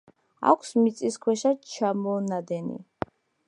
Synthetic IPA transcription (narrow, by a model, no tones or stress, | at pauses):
a̰kʷʰsmit̪sʼiskʰwɛʃat͡ʃʰamɔnad̪ɛnḭ